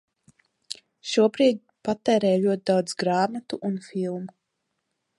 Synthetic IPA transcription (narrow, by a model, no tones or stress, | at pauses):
ʃuɔbɾiːd̪̚ʲ | pat̪ɛːɾɛːjʎʲuɔt̪̚ʲid̪awd̪zɡɾaːmat̪uʔunfilˠmu